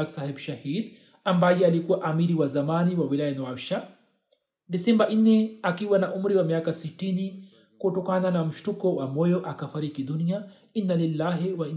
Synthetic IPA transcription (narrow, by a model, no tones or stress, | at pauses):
aksahɛbuʃahid | ambajɛalikuwaʔamiɾiwazamaniwawilajanɔaʃa | disɛmbaʔnnːɛakiwanaʔumɾiwamiakasitini | kutɔkananam̩ʃtukɔwamɔjɔʔakafaɾikidunia | inːalilːaːɦiwa